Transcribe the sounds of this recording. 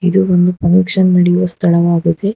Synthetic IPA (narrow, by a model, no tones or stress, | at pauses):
id̪uond̪upɾɐmikʂɐnːɐɽɛjuʋɐst̪ʰɐɭɐʋaːɡɐd̪e